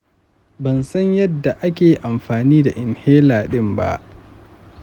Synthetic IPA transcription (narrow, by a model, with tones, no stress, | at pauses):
bɐ˨nsɐ˦ɲjɐ˦dːa˨ʔa˦kʲeː˨ʔa˨mɸaː˨niː˦da˨ʔɪ˨nheː˦laː˨ɗɪ˦mba̰˦ʔ